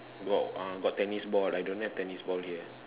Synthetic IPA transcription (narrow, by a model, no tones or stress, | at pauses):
ɡɔ̰ʔãɡɔttːɛnisbɔlajdõnhɛftɛnisbɔlhiə